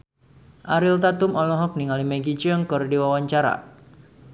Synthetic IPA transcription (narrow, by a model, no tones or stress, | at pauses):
ʔaɾilt̪at̪ʊmɔlɔɦɔk̚niŋalimeɡit͡ʃəŋkɔrdiwawaɲt͡ʃaɾa̰